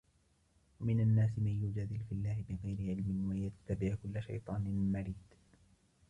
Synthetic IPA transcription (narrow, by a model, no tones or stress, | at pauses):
wamɪnanːaːsɪmanjʊd͡ʒad̪ɪlfɪlːaːhɪbɪɣajɾɪʕɪlmɪnwajat̪ːabɪʕkʊlːaʃa̰jt̪ˤɑːnɪnmaɾiːd̪̥